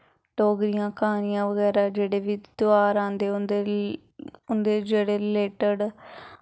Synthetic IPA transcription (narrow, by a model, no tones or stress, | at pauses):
ʈoːɡɾɪjãːkaːnijãːʋəɡɛːɾaːd͡ʒeːɽeːʋiːd̪ʊaːɾãːnd̪eːʊnd̪e | ʊnd̪eːd͡ʒeːɽeːleːʈəɖ